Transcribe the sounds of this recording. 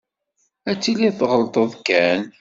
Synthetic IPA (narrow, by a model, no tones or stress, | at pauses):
æt͡sːiliθʁəlt̪ˤəðˤkæn